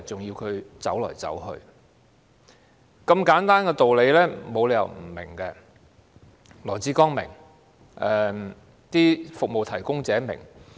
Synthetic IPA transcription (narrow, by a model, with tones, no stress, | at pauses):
t͡sʊ˨ŋjiː˧wkʰɵ˨˧ɥt͡sɐ˨˥wlɔ̰ː˨˩jt͡sɐ̰˨˥whɵ̰˧ɥ | kɐ˧mkaː˨˥nt̪aː˥nkɛː˧t̪o˨wle˨˧jlɛː˥mo˨˧wle˨˧jɐ̰˨wm̩˨˩mɪ˨˩ŋkɛ˧ | lɔː˨˩t͡siː˨˥kɔː˥ŋmɪ̰˨˩ŋ | ʔɛ˨˩ | t̪iː˥fʊ˨k̚mo˨wt̪ʰɐ˨˩jkʊ˥ŋt͡sɛː˨˥mɪ̰˨˩ŋ